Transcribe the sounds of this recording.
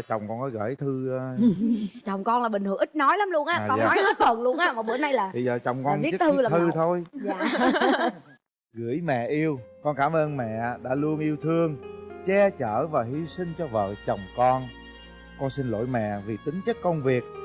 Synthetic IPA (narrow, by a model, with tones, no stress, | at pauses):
t͡ɕə˨˩wŋ͡mkɔ˧nkɔ˨˦ɣə̰ː˧˩jt̪ʰɨ˧ | t͡ɕə˨˩wŋ͡mkɔ˧nlaː˨˩ɓï˨˩ŋ̟hɨ˨˧˩ʔï˦˥t̚nɔ˨˦jlaː˨˦mlu˧ənʔaː˧kɔ˧nːɔ˨˦nɔ˨˦fə˨˩nlu˧ənʔaː˧mɔː˨˩ɓɨ̰˧˩əna˧jlaː˨˩ɓə˧jzəː˨˩t͡ɕə˨˩wŋ͡mkɔ˧ni˦˥˦t̪ʰɨ˧laː˨t̪ʰɨ˧t̪ʰo˧j | ɣɨ̰˧˥əjmɛ̰˧˨ʔi˧əwkɔ˧nkaː˧˩mʔəː˧nmɛ̰˧˨ɗa̰ː˧˥lu˧ənʔi˧əwt̪ʰɨ˧əŋt͡ɕɛ˧t͡ɕəː˧˩vaː˨˩ɦi˨˧sï˧ŋ̟t͡ɕɔ˧və̰ː˧˨˩t͡ɕə˨˩wŋ͡mkɔ˧n | kɔ˧nsi˧nlo̰˧˩˦jmɛ̰˧˨vi˨˩t̪ï˨˦ŋt͡ɕə˦˥t̚kə˧wŋ͡mvi˨˩ək̚